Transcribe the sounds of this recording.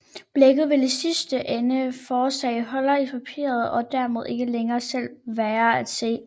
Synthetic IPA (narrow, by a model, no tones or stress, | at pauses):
b̥leɡ̥ð̩ˠʋe̝lisisd̥əʔenəfɒːsɛ̰ɪɦɒ̽lɐipʰæpʰḭːɐð̞̩ˠɒ̽d̥æɐme̝ð̞̰ˠe̝ɡ̥əleŋɐːsel̰ʋæːɐæd̥se̝̰ː